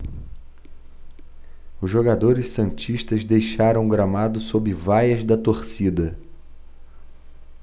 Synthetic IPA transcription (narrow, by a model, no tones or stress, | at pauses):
ʊzʒoɡad̪oɾɪssɐ̃nt͡ʃiʃt̪ɐzd̪ejʃaɾɐ̃w̃ɡɾamad̪ʊsobɪvajɐzd̪ɐt̪oɾsid̪ɐ